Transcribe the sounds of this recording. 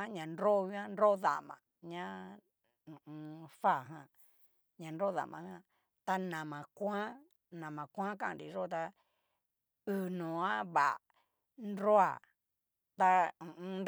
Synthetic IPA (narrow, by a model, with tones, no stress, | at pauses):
a˦ɲã˨nɾo˦˧i˦ã˦nɾo˦ða̰˨mã̰˨ɲã˦ | ũ˨ʔũ˧fa˦˨ɦã˧˨ | ɲã˧nɾo˦ða̰˨mã̰˨hã˦ | t̪a˧nã˨mã˨kʷã˦ | nã˨mã˨kʷã˦kã˦˨ɾḭ˨ʐo˦˨t̪a˧ | ɨ˧˨nõ˨ã˦βa˨ | nɾo˦a˨ | t̪a˧ũ˨ʔũ˧nd